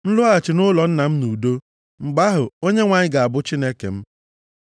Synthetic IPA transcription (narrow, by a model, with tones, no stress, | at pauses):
n̩˦lʊ˦a˨t͡ʃɪ˨nʊ˦lɔ˨n̩˦na˨m̩˦nu˨do˦ | ŋ͡m̩˨ɡ͡ba˦ɦʊ˨o˦ɲe˦ŋʷa˨ɲɪ˦ɡa˨a˨bʊ˦t͡ʃi˦ne˦kḛ˨m̩˦